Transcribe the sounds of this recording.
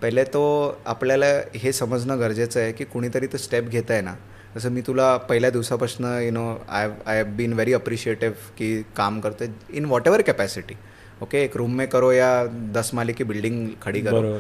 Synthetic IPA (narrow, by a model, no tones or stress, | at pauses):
pəɦlet̪oa̰pljalaɦesəməd͡znəɡəɾd͡zet͡səjekiːkoɽ̃iːt̪əɾiːt̪osʈepɡʱet̪əjena̰ | kəs̬əːmiːt̪ulapəɦiljad̪iʋsapɾəsnəjunoa̰ʋajʋbiːnʋeɾiəpɾiɕieʈiʋkiːkamkəɾt̪oeinʋɔʈeʋəɾkɛpæsiʈi | okeːkɾumːekəɾojad̪əsmalikiːbilɖiŋɡkʰəɽiːkəoɾ